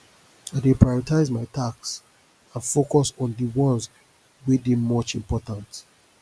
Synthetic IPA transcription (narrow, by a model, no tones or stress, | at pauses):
adepɹajɔɹitaɪzmaɪtʰaks | ãnfokɔsɔ̃ndəwɔ̃nz | widĩmɔt͡ʃĩmpɔtãnt